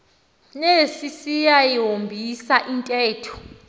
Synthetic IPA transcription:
nesisijajiɦɦombʱisaʔintʼɛːtʰu̥

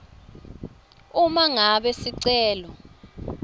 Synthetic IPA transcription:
umaŋaɓɛsiǀɛːlɔ

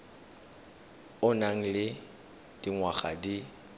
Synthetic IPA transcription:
ʊnaŋ̩lɪ | d̥iŋwaχadi

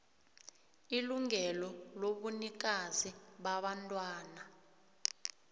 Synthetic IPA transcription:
iluŋɛlɔloɓunik̬aziɓaɓantʼwaːna

